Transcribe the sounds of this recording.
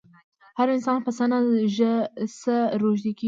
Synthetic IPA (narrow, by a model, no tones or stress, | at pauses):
haɾɪnsɑːnpəsanaʒəsəɾoʒd̪iki